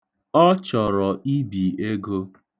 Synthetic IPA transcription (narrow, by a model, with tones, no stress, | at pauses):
ɔ˦t͡ʃɔ˨ɾɔ˨ʔi˦bi˨e˦ɡo˦